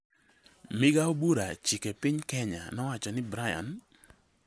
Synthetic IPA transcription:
mɪɡaobuɾat͡ʃikepɪɲkɛɲa̰nɔwat͡ʃɔnɪbɾaja̰n

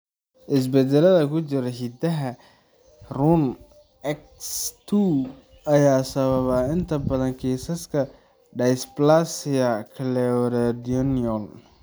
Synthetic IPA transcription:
ʔɪs̬bɛd̪ɛlɐðɐkʰʊt͡ʃɪɾɛɦid̪ɐɦɐ | run | ɛk | st̪ʰu | ɐjaːsɐβɐβaɪnt̪ʰɐbɐðɐŋkʰiːsɐskʰɐ | ɖɐjsplasɪɐkʰɐlɛɔɾɛd̪ɔnjɔl

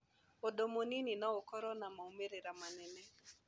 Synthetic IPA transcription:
odomonininɔokɔɾɔnamaumeɾeɾamanɛnɛ

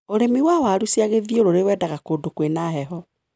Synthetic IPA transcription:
oɾemiwawaɾusiaɣeðjoɾoɾewɛːdaɣakodokwenaɦɛɦɔ

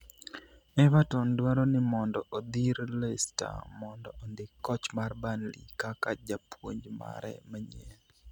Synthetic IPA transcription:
ɛvatɔndwaɾɔnɪmɔndɔʔod̪iɾlɛsta̰mɔndɔʔondɪkːɔt͡ʃmarbanlḭkakad͡ʒapwoɲd͡ʒma̰ɾɛ̰maɲɛn

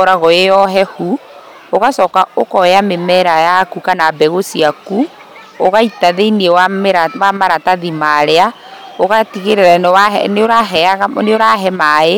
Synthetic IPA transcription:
ɔɾaɣɔejɔɦɛhu | oɣasɔːkaokɔjamemɛɾajakukanabɛɣosiaku | oɣaitaðeiniewaɾawamaɾataðimaɾea | oɣatiɣeɾeɾanwaɛ̰noɾaɛaɣaneoɾaɦɛmae

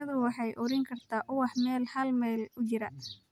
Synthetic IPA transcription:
ɐðʊwɑħɑjʔʊɾɪŋkʰɐrt̪ʰaːʔʊwɑħmɛːlhɐlmɛːlʊt͡ʃɪɾɐ

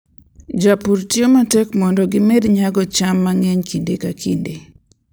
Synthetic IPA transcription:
d͡ʒapuɾtiomatɛkmɔndɔɡɪmɛdiɲaɡɔt͡ʃamːaŋɛɲkindekakʰinde

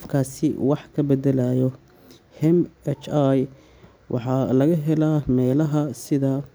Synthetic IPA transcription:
fkʰaːsɪ̰wɑħkʰɐbɛd̪ɛlaːjɔ | hɛmɛt͡ʃaj | wʔɑ̰ħɑlɐɣɐɦɛlaːmɛːlɐɦɐsɪðɐ

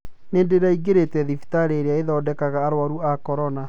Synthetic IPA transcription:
neːndeɾaiɡeɾetɛðifi̥taɾeɾeaeðɔːdɛkaɣaːɾwaɾuakɔɾɔna

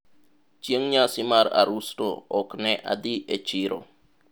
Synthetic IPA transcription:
t͡ʃiəŋɲasimaɾa̰ɾustooknɛʔa̰d̪iʔet͡ʃiɾo̰

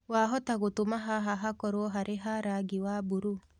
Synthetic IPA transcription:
waɦɔtaɣotomaɦaɦaɦakɔɾwɔɦaɾeɦaɾaɡiwabuɾu

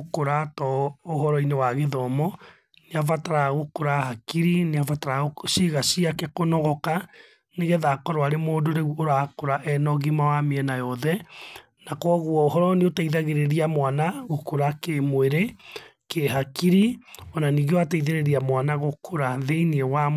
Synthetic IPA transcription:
okoɾatɔoɦɔɾɔinewaɣeðɔmɔ | neavataɾaɣokoɾahakiɾineavataɾaoʃiɣasiakɛkonɔɣɔka | neɣɛðakɔɾoaɾemoːdoɾeuoɾakoɾaʔɛnɔɣimawameɛnajɔðɛ | nakɔɣwɔoɦɔɾɔneotaiðaɣeɾeɾiamwanaɣokoɾakemweɾekeɦakiɾiɔnaniːɣewataiðeɾeɾiamwanaɣokʰoɾaðeiniɛwam

